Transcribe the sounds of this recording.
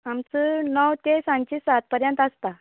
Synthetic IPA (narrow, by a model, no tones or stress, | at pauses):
amt͡sənɔwt̪esãɲt͡ɕisat̪̚pəɾjə̃nt̪əst̪a